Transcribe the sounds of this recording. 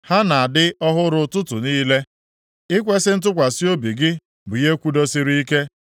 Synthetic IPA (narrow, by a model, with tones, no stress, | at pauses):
ha˦na˨a˨dɪ˦ɔ˦ɦʊ˦ɾʊ˦tʊ˦tʊ˨niː˦le˦ | ɪ˦kʷe˦sɪ˦n̩˦t̬ʊ˦kʷa˨si˦o˦bi˨ɡɪ˦ | bʊ˨je˦kʷu˦do˦si˦ɾi˦i˦ke˦